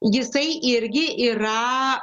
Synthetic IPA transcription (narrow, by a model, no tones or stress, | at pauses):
jɪsɐɪʔɪɾʲɡʲɪʔiːɾɐ